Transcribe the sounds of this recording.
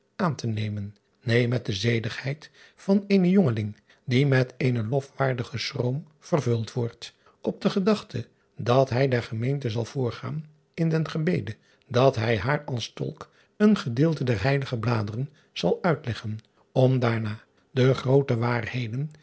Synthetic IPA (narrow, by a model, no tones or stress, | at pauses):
ʔaːntənejmənː | ejmɛt̚dəzejləχhɛjt | fɑneːnəjɔŋəlɪŋ | dimɛtʰeːjnəlɔfʋaːɹdəχəstrom | v̥ərvɵlˠtʋɔɹt | ɔb̚dəχədɑχtʰə | dɑtɦɛjdɛɹχəmejntəzɑlˠv̥ʊːɹχa̰ːn | ɪndɛnχəbejdə | dɑtɦɛjɦaːɹɑlˠstɔ̰lˠk | ənχədɪːlˠtədɛɹɦɛjləχəblaːdərən | z̥ɑlˠœɥtlɛχən | ɔmdaːɹnaː | dəχrowtəʋaːrhejdən